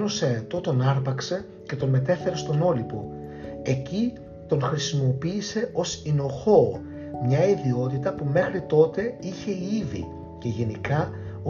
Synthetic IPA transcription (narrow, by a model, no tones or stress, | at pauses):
noseːt̪o̞t̪o̞nɐɾpɐkse̞ | ce̞t̪o̞nme̞t̪e̞fe̞ɾe̞st̪o̞no̞lipo̞̰ | e̞ci | t̪o̞nxɾisimo̞piːse̞o̞sino̞xo̞ | mɲɐiðio̞t̪it̪ɐpume̞xɾit̪o̞t̪e̞içe̞iivḭ | ce̞ʝe̞nikɐo